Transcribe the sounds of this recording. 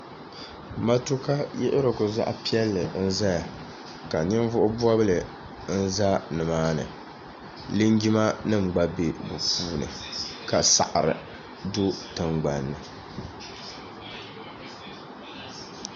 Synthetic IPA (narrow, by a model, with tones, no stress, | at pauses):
ma˦tu˦ka˦jɛ̰˦ʔɪ˦ɾɨ˨kʊ˨za̰˦ʔa̰˦pi˦ɛ˦lːɨ˨n̩˦za˦ja˨ | ka˨nɪ˦ɱ˦vʊ˦ʔʊ˦bɔ˦bɨ˦lɨ˨ | n̩˦za˦nɨ˨maː˦nɨ̰˨ | lɨ˦ŋɡi˦ma˦nɨ˦m̩˨ɡ͡ba˦be˦bu˨puː˦nɨ̰˨ | ka˨sa̰˨ʔɾɨ̰˨ | dʊ˦tɨ˨ŋɡ͡ba˨nːɨ˨